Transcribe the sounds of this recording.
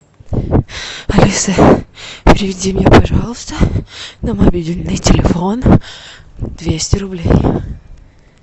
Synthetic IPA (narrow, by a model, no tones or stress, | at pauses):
ɐlʲisə | pʲɾʲɪvʲɪdʲimʲɲʲepɐʐɑlˠəst̪ənəmɐbʲilʲnɨjtʲɪlʲɪfon | d̪vʲesʲtʲɪɾʊblʲḛj